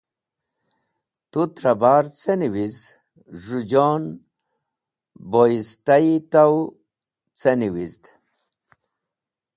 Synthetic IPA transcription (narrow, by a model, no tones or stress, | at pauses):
t̪ut̪ɾɐbaːɾt͡seniwiz | ʐud͡ʑon | boist̪ait̪aw | t͡seniwizd̪